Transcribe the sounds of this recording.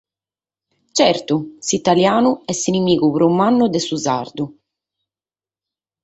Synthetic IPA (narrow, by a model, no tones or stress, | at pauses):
t͡ʃɛɾt̪usit̪aljaːnuɛsinimiːkupɾumːanːud̪ɛsuzaɾd̪u